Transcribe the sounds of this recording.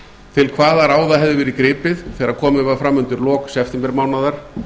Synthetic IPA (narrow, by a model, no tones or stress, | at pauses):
t̪ʰɪlkʰvaːðaɾaːwðaɦɛvðɪvɛːɾikɾɪːpɪðθɛːɾḁkʰɔːmɪafɾamːʏnt̪ʏɾlɔːksɛft̪ɪmpɛɾmaːwnaðaɾ̥